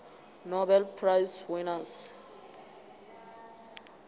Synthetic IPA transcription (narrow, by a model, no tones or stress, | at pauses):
nɔbɛlpʰrajswinas